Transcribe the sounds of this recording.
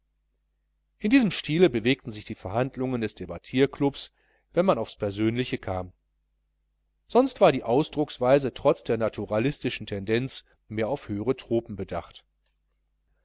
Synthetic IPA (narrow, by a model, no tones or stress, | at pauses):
ʔɪndiːzəmʃtiːləbəveːk̚tn̩zɪçd̥iːfɛɐhandlʊŋəndɛsd̥ebatʰiːɐklʊps | vɛnmanaʊfspʰɛɐzøːnlɪçəkʰaːm | z̥ɔnstv̥aːɐdiːʔaʊsd̥ʁʊksv̥aɪzətʁ̥ɔt͡sd̥eːɐnatʰuʁalɪstɪʃn̩tʰɛndɛnt͡s | meːɐaʊfhøːəʁ̞ətʁ̥oːpm̩bəda̰χt